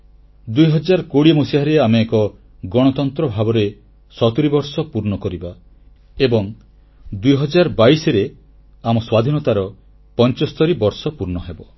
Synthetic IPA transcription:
d̪ujɦɔd͡ʒaɾɔkoɽimusiɾeameːkɔ | ɡɔɽ̃ɔt̪ɔnt̪ɾɔbʱabɔɾe | sɔt̪uɾibɔɾsɔpuɾɳɔkɔɾiba | ebɔŋ | d̪ujɦɔd͡ʒaɾbaisɔɾe | amɔswad̪ʱinɔt̪aɾɔ | pɔnt͡ʃɔst̪ɔɾibɔɾsɔpuɾnɔɦebɔ

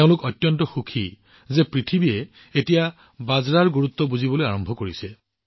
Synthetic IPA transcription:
ʊ̃lʊkɔtjɔntɔxukʰi | zepɹitʰibie | etija | bazɹaɹɡuɹut̪ːɔbuzibɔlojaɹɔmbʱɔkoɹise

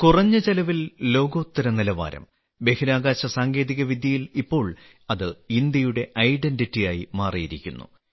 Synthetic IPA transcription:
kurɐɲːɨt͡ɕelɐʋillo̞ːɡo̞ːt̪ːɐɾɐnilɐʋa̰ːɾɐ̰m | be̞hiɾaːɡaːɕɐsaːŋɡe̞ːðiɣɐʋid̪ʱjɐjilipːo̞ːɭ | ɐðɨind̪jɐjuɽe̞ʔɐjɖenɖitːijaːjimaːrijiɾikʲːunːṵ

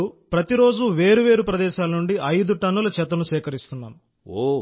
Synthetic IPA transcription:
upɾɐt̪iɾo̞ːd͡ʒuʋe̞ːɾuʋe̞ːɾupɾɐd̪ɛːʃaːlɐnuɳɖiʔɐjd̪uʈɐnːulɐt͡ʃɛt̪̬ɐnuʃɛːkɐɾist̪unːa̰ːm | o

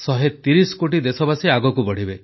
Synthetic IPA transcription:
sɔɦet̪iɾiskoʈ̬id̪esɔbasiaɡɔkubɔɽ̤ibe

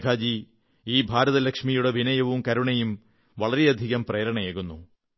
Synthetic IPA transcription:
kʰaːd͡ʑi | iːbʱaːɾɐðɐlɐkʂmijuɽeʋʱinɐjɐʋumkɐɾuɳɐjum | ʋɐɭɐɾe̞ɐd̪ʱiɣɐmpreːɾɐɳɐjeːɣunːu

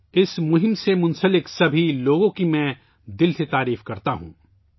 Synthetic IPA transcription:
ɪsmʊɦɪmsemʊ̃nsəlɪksɐbʱiloːɡõkimɛ̃ː | d̪ɪlset̪aːɾiːfkɐɾt̪aɦṵ̃ː

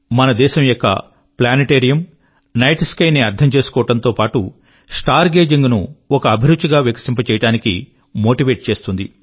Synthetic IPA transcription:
mɐnɐd̪ɛːʃɐmjokːɐ̰ | plaːniʈeːɾijɐm | nɐjʈskɐjniɐɾd̪ʱɐmt͡ʃe̞ːsu̥kɔːɐʈɐnt̪o̞ːpaːʈu | sʈaːɾɡe̞ːd͡ʒiŋɡnuɔkɐːbʱiɾut͡ʃːiɡaːʋjɐkɐ̥simpɐt͡ʃɛːjɐʈaːnikḭ | mo̞ːʈiʋe̞ːʈ̚t͡ʃe̞ːst̪und̪i

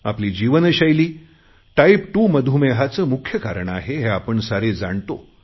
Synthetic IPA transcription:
a̰pliːd͡ʑiʋənəɕajliː | ʈaipʈuːməd̪ʱumeɦat͡səːmukʰjəkaɾəɳaɦeɦeapəɳsaɾed͡zaɳt̪o̰

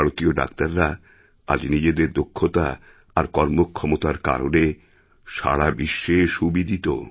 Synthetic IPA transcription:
aɽot̪ioɖa̰kt̪aɾːa | a̰d͡ʑnid͡ʑed̪eɾd̪okʰːot̪a | aɾkɔɾmokʰːɔmot̪aɾka̰ɾone | ʃa̰ɽabiʃːeʃubid̪ʱit̪o̰

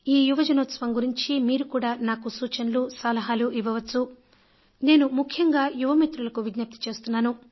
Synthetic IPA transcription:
iːjuʋɐd͡ʒɐnoːt̪sɐʋɐmɡuɾiɲt͡ʃimiːɾukuːɽaːnaːkusuːt͡ʃɐnɐluːsaːlɐɦaːluʔiʋɐʋɐt͡ʃːu | ne̞ːnumukʰjɐŋɡaːjuʋɐmit̪ɾulɐkuʋid̪nɐp̚t̪i̥t͡ʃe̞ːst̪unːaːnu

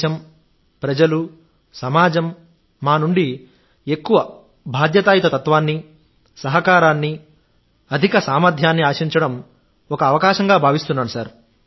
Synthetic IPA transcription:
ɐm | pɾɐd͡ʒɐlu | sɐmaːd͡ʒɐmː | aːnuɳɖi | ekːuʋɐ | bʱaːd̪jɐt̪aːjɐt̪ɐt̪ɐt̪ʋaːnːi | sɐɦɐkaːɾaːnːi | ɐd̪ʱikɐsaːmɐd̪ʱjaːnːiaːʃiɲt͡ʃɐɽɐm | ɔkɐːʋɐkaːʃɐŋɡaːbʱaːʋist̪unːaːɽusaːɾ

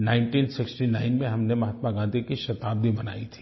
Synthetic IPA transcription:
naːɪ̃ɳʈiːnsɪksʈinaːɪnmẽɦɐmnemɐɦaːt̪maɡãːnd̪ʱikiʃɐt̪aːb̚b̪ʱibɐna̰ːit̪ʰi̥

